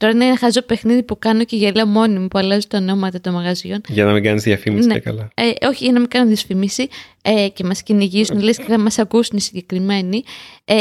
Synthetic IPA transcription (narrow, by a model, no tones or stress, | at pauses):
t̪o̞ɾɐineenɐxɐzo̞pe̞xniðipukɐno̞ceʝɐleomo̞nimupuɐlɐzut̪ɐno̞mɐt̪ɐt̪o̞mɐɣɐzio̞nʝɐnɐmiɡɐnizðjɐfimisnekɐ̰lɐeo̞çiʝɐnɐmiɡɐnunðiɐsfimisi | ece̞mɐsciniʝisunɐlesceθɐmɐsɐkusunisiɲɟekɾime̞nie